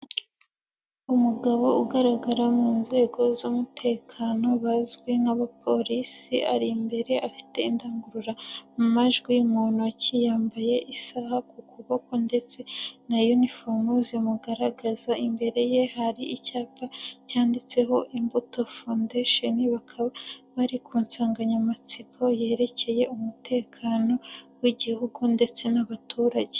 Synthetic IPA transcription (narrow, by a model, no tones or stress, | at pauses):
umuɡaβo̞uɡaɾaɡaɾamŋiːnze̞ɡo̞zumutʰe̞ːkʰaːno̞βazɡweŋaβapʰo̞ɾisiʔa̰ɾimbe̞ɾe̞ʔafi̥te̞indaːŋɡuɾuɾamumaʒɡwimuːnocijaːmbaje̞ʔisahakukuβokonde̞t͡se̞najonifonuziomuɡaɾaɡazaimbe̞ɾe̞je̞haɾiicaːpacaːndit͡se̞ɦo̞ʔimbuto̞fundeʃe̞niβakʰaβaβaɾikuːnsaːŋɡaɲamat͡sikʰo̞je̞ːɾe̞ce̞je̞umute̞ːkʰaːno̞wiɟihuɡunde̞t͡se̞naβatʰuːɾaɟe